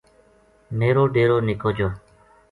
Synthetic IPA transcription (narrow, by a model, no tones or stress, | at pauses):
meːɾoːɖeːɾoːnɪkoːd͡ʒoː